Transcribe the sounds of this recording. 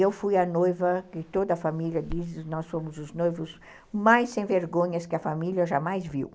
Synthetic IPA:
ewfujɐnojvɐkɪt̪od̪ɐːfamiljɐd̪isɪnɔsfõmʊzʊznojvʊz | majsẽj̃veɾɡõɲɐskɪɐfamiljɐʒamajzviw

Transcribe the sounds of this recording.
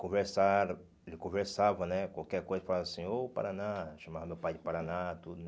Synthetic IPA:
kõveɾsaɾ | elɪkõveɾsavɐnɛkwawkɛɾkojzɐfalaasĩopa̰ɾanaʃɐ̃mavɐmewpajd͡ʒɪpaɾanat̪ud̪ʊ

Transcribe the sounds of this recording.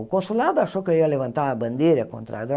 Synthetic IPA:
konsulaːd̪aʃokoiɐlʲeʋɐnt̪aːbɐnd̪ʲiːɾʲeko̰nt̪ɾa̰d̪

